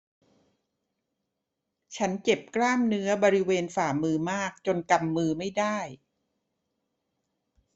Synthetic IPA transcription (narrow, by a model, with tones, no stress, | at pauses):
t͡ɕʰa˦˥nt͡ɕe˨˩p̚klaː˥˩mnɯ˦˥ɐbɔː˧ɾi˦˥weː˧nfaː˨˩mɯː˧maː˥˩k̚t͡ɕo˧nka˧mːɯː˧ma˥˩jdaː˥˩j